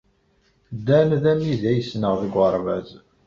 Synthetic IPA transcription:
d̪ænðæmiðæjəsnəʁðəɡʷəɾˤvæz

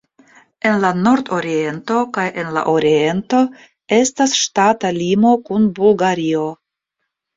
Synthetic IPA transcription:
e̞nlano̞ɾdo̞ɾie̞nto̞kajʔe̞nla̰ʔoɾie̞nto̞ | e̞stasʃtatalimo̞kunbulɡaɾio̞

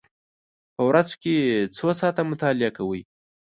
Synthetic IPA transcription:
pəwɾazket͡sosɑt̪amʊt̪ɑlɪakawəj

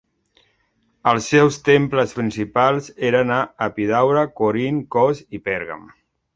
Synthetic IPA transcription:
əlˠsːɛwst̪empləspɾinsipalˠzeɾənaəpiðawɾəkoɾiŋkɔzipɛɾɣa̰m

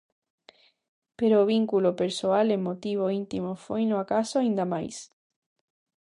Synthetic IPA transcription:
peɾoːβ̞iŋkulopeɾsoalemot̪iβoint̪imofwejnoakasoaĩnd̪amajs

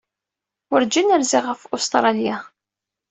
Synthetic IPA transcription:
wʊɾd͡ʒinəɾziʁəfust̪ɾˤɑlja

